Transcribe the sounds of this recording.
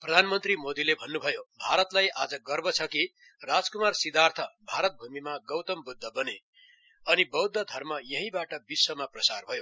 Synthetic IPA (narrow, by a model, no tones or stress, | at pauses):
prʌd̪ʱanmʌnt̪rimod̪ilebʱʌnːubʱʌjobʱaɾʌt̪lajʔad͡zʌɡʌrbʌt͡sʰʌki | rad͡zkumarsid̪art̪ʰʌbʱaɾʌt̪̚bʱumimaɡʌwt̪ʌmbud̪ʱːʌbʌne | ʌnibʌwd̪ʱːʌd̪ʱʌrmʌjʌɦĩbaʈʌbiswʌmaprʌsarbʱʌjo